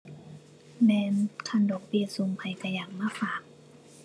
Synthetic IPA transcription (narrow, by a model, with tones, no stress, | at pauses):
mɛː˧nkʰa˧˥˨ndɔː˨˩k̚bi˧˩su˧ŋpʰa˧˩jta˧˩jaː˨˩k̚maː˧˥˨faː˨˩k̚